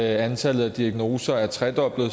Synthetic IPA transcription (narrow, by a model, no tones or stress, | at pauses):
ænt͡sʰæləð̩ˠæd̥iæɡ̥no̝ːsɐæɐt͡sʰʁɛd̥ɒ̽b̥lð̩ˠ